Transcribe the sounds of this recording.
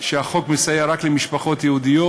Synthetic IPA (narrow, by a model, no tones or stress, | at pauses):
ʃeaχo̞kmesajeɾaklemiʃpaχo̞t̪jehud̪ijo